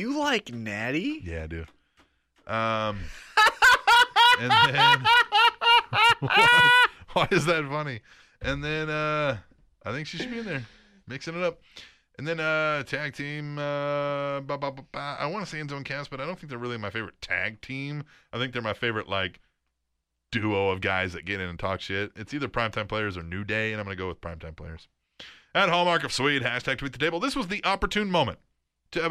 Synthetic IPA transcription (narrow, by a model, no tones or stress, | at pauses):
jɨlaɪknæɾijæ̰ɪdʉ̰ | ʔʌ̃m | ɨ̃ɨ̃n | waɪɨzðɨtfʌni | ʔɨ̃nðɨ̃nʌ | ʔaɪθɪ̃ŋkʃiʃɨd̚biɨ̃nðə˞ | mɪksɨ̃nɨɾʌp̚ | ʔɨ̃nðɨ̃nʌtʰæɡ̚tʰĩmʌbɑbɑbɑpaa̰ɪwɑ̃nəseɪɨ̃nzoʊ̃nkʰæsb̥ʌɾaɪɾõʊ̃nθɪ̃ŋkðə˞ɹɪlˠimaɪfeɪvə˞ɨtʰæ̰ɡ̚tʰĩmaɪθɪ̃ŋk̚ðə˞maɪfeɪvə˞ɨʔlaɪk | d̥ʉoʊʌvɡaɪzðɨt̚ɡ̥ɛɾɨ̃nɨ̃n̩tʰɔkʃɪt̚ɨtsiðə˞pʰɹ̥ãɪ̃mtʰãɪ̃pʰl̥eɪə˞zə˞nʉdeɪɨ̃ãɪ̃mɡʌ̃nɨɡoʊwəð̥pʰɹ̥ãɪ̃mtʰãɪ̃mpʰl̥eɪə˞z̥ | ɨt̚ɦɑlˠmɑɹkʌv̥swid̚ɦæʃtʰæɡ̚tʰwit̪ðɨ̥tʰeɪbl̩ˠðɪswʌzðiʔɑpə˞tʰʉ̃nmõʊ̃mɨ̃n | tʰɨɛ